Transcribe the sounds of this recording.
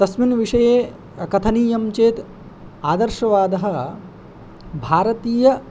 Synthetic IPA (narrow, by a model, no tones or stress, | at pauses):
t̪ɐsminʋiʂɐjeː | ɐkɐt̪ʰɐniːjɐmt͡ʃeːt̪ | aːd̪ɐɾʃɐʋaːd̪ɐɦɐ̆ | bʱaːɾɐt̪iːjɐ